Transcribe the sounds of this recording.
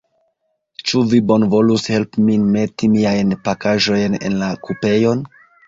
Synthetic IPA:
t͡ʃuvibo̞nvo̞lushe̞lpminme̞timiajnpakaʒo̞jne̞̰nlakupe̞jo̞n

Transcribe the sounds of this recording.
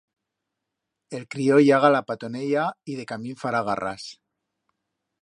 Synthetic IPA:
e̞lkɾioʝaɣalapat̪o̞nejaiðe̞kamĩɱfaɾaɣa̰rʔa̰s

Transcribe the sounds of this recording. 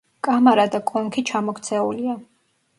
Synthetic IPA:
kʼamaɾad̪akʼɔŋkʰit͡ʃʰamɔkʰt̪sʰɛulia

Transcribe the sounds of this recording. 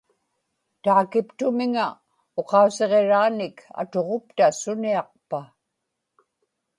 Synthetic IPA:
t̪aːkɪpt̪ʊmɪŋa | oqɑuse̞ʁe̞ɻaːnɪkʰa̰t̪o̞ʁo̞p̚t̪asʊniɑq̚pa

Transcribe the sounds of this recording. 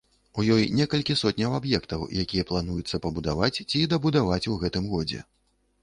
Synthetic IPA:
ujɔjnʲɛkɐlʲkʲisɔt̪ʲnʲɐwabjɛkt̪ɐwjʔakʲijɐplˠanujut̪sːɐpɐbud̪avat͡sʲt͡sʲid̪ɐbud̪avat͡sʲuɣɛt̪ɨmɣɔd͡zʲɛ̰

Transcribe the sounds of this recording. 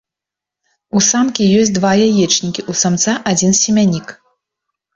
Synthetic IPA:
usamkʲijɔsʲd̪vajajɛt͡ʂnʲikʲiʔusamt̪saʔad͡zʲinsʲɛmʲanʲik

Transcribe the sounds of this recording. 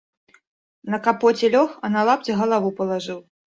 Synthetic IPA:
nɐkapɔt͡sʲɛlʲɔxɐnalˠapt͡sʲɐɣɐlˠavupɐlˠaʐɨw

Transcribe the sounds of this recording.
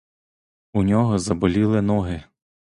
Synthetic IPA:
unʲɔɦɔzɐbɔlʲilˠɪnɔɦɪ

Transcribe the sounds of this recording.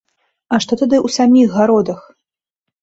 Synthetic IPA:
ɐʂt̪ɔt̪ad̪ɨʔwsamʲiɣːaɾɔd̪ɐx

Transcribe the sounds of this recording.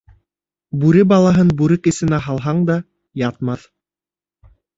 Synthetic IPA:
bʉɾɘbɑlˠɑɦɤnbʉɾɘkɘ̆sɘ̆næɦɑlˠɦɑɴd̪ɑ | jɑt̪mɑθ

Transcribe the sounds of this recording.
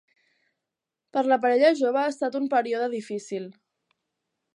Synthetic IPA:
pəɾləp̬əɾɛʎəʒoβəːst̪at̪umpəɾioðəðifisilˠ

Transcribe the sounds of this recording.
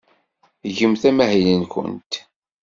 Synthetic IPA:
ʝəmθæmæɦilənkʷʊ̰nt̪

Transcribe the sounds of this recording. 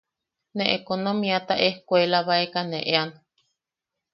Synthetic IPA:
neʔekonomĩat̪aʔehkʷelaβaekanḛʔean

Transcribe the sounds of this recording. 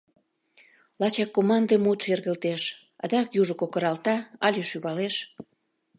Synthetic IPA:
lɑt͡ɕɑkːomɑnd̪əmut̪ʃerɣəlt̪eʃ | ɑ̰d̪ɑkjuʒə̆kokə̆ɾɑlt̪ɑɑlʲyʃyβɑleʃ

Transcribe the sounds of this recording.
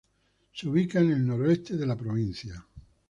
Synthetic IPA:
seuβ̞ikaene̞lno̞ɾoest̪e̞ðe̞lapɾoβ̞inθja

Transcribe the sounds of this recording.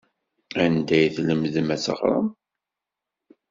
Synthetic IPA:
ænd̪æjθləmðəmæt͡sɑ̰χɾˤɑ̰m

